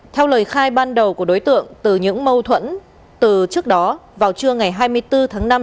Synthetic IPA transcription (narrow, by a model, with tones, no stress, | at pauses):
t̪ʰɛ˧wləː˨˩jxaː˧jɓaː˧nɗə˨˩wku˧˩əɗo˨˦jt̪ɨ̰˧˨əŋt̪ɨ˨˩ɲɨ̰˧˥ŋmə˧wt̪ʰwə̰˧˥n | t̪ɨ˨˩t͡ɕɨ˦˥ək̚ɗɔ˨˦vaː˨˩wt͡ɕɨ˧əŋa˨˩jɦaː˧jmɨ˧əjt̪ɨ˧t̪ʰaː˨˦ŋna˧m